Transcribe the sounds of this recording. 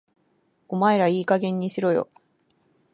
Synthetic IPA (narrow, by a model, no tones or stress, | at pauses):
ɡ̥o̞maeɾaiːkaɡẽ̞ɲ̟ːiɕiɾo̞jo̞̰